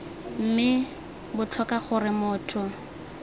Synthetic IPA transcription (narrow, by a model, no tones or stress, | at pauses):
m̩mɪ | bʊt͡ɬʰɔkaχʊrɪmʊːtʰʊ